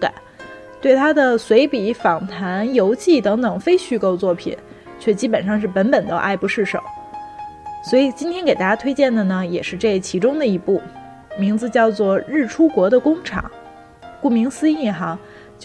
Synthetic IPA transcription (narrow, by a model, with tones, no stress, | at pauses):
ka̰˨˩˦n | t̪we˥˩ɪt̪ʰa˥d̪ə˨swe˧˥ɪpi˨˩fɑ˨˩ŋt̪ʰa˧˥njo˧˥ʊt͡ɕʰi˥˩t̪ɤ˧˥ŋt̪ɤ˨˩ŋfe˥ɪɕy˥˧ko˥˧ʊt͡swɔ˥˩pʰḭ˨˩˦n | t͡ɕʰɥɛ˥˩t͡ɕi˥pə˨˩nʂɑ˥˧ŋʂɻ̩˥˩pə˧˥npə˨˩nd̪ə̰˦˥ʔa˥˧ɪpu˧˥ʂɻ̩˥˩ʂo̰˨˩˦ʊ | swɔ˧˥i˨˩t͡ɕi˥nt̪ʰjɛ˥nke˨˩t̪a˥˩t͡ɕja˥t̪ʰwe˥ɪt͡ɕjɛ˥˩nd̪ə˩nə˩jɛ˨˩ʂɻ̩˥˧ʈ͡ʂɤ˥˧˩t͡ɕʰi˧˥ʈ͡ʂʊ˥ŋd̪ə˨i˧˥pu˥˩ | mi˧˥ŋd͡zɹ̩˧t͡ɕjɑ˥˧ʊt͡swɔ˥˧ɻɻ̩˥˩ʈ͡ʂʰu˥kwɔ˧˥d̪ə˧kʊ˥ŋʈ͡ʂʰɑ̰˨˩˦ŋ | ku˥˩mi˧˥ŋsɹ̩˥i˥˩nxɑ˧˥ŋ | t͡ɕ